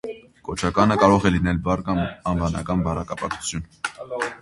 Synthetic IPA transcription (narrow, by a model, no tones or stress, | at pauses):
kɔt͡ʃʰɑkɑnəkɑɾɔʁɛlinɛlbɑɾkɑɑnvɑnɑ̰kɑnbɑɾɑkɑpɑkt͡sʰu̥t͡sʰjun